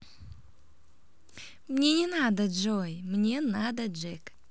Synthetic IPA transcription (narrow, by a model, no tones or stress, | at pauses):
mnʲe̞nʲenad̪əd͡ʒojmnʲe̞nad̪əd͡ʒek